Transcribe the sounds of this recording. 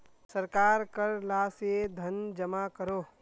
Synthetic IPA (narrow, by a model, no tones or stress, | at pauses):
sɐɾkaːɾkəɾlaːsed̪ʱɐnd͡ʒɐmakəɾoː